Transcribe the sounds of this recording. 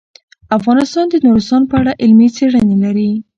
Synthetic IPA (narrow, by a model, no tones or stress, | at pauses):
afɣɑnɪst̪ɑnd̪ənuɾɪst̪ɑnpəaɽaʔɪlmit͡seɽənelaɾi